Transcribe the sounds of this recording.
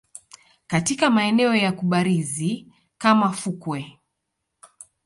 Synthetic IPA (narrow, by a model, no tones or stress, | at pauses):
katikamaɛnɛɔjakuɓaɾizi | kamafukwɛ